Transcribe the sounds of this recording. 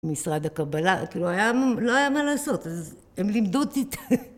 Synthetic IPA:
misʁad̪akabalakiːluajamlo̞ajamalaːso̞t̪az | emlimd̪ud̪it̪

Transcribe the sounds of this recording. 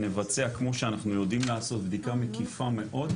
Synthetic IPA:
ne̞vat͡seakmo̞ʃeanaχnujo̞d̪imlaːso̞t̪̚bd̪ikamekifame̞ʔo̞d̪

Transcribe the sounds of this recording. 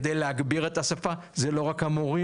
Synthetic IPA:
d̪ejleaɡbiʁe̞t̪asafa | zelo̞ʁakhamoʁi

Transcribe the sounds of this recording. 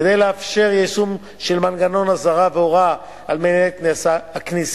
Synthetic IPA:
ed̪ejleafʃe̞ʁjejsum | ʃelmanɡano̞nazaʁaveoʁa | almeneknesaaknis

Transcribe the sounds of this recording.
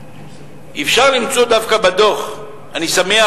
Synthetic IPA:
ʔifʃaʁlimt͡so̞d̪avkabad̪o̞χ | anisamea

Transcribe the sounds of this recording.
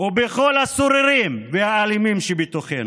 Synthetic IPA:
ubeχo̞lasoɾiɾimveaːlimimʃebit̪oχḛnu

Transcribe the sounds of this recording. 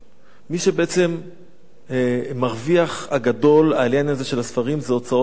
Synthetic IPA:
miʃebeʔet͡se̞m | aʁviaχaɡado̞laːljanaze̞ʃe̞lasfaʁimzeot͡sao

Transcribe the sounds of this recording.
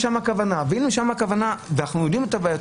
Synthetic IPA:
ʃamhakavanaveilmiʃamhakavanavenaχnujod̪imet̪abaːja

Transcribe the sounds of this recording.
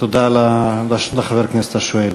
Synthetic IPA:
t̪od̪alalaʃot̪leχaveʁkneset̪aʃoel

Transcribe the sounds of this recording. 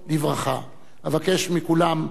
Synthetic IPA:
livʁaχa | havakeʃmikulam

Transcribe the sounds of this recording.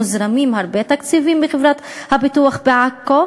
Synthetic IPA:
uzɾamimhaɾbet̪akt͡sivimbeχevɾat̪habit̪uaχbeʕakːo

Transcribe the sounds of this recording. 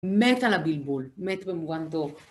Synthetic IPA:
met̪alabilbulmet̪bemuɡant̪ov

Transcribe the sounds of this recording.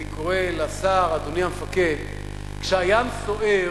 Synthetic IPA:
ikoʁelasaʁad̪oniamefaked̪ | kʃeajamso̞ʔe

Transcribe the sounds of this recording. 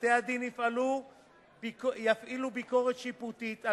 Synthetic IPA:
tead̪inifʔalu | bkjafʔilubiko̞ʁet̪ʃiput̪it̪a

